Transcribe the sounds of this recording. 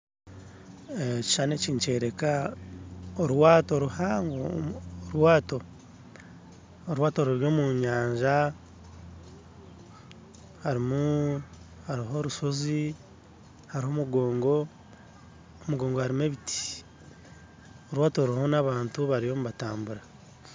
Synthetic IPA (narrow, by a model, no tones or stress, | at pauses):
ci̥t͡ʃane̞ciɲt͡ʃe̞ːɾe̞ka | oɾwaːto̞ɾuhaŋɡooɾwaːto̞ | oɾwaːto̞ɾuɾjo̞ːmuɲaːɲʒa | haɾimu | haɾiɦo̞ɾuso̞zi | haɾiho̞ːmuɡo̞ːŋɡo̞ | omuɡo̞ːŋɡohaɾimeβiti̥ | oɾwaːto̞ɾiho̞naβaːntuβaɾijo̞ːmuβataːmbuɾa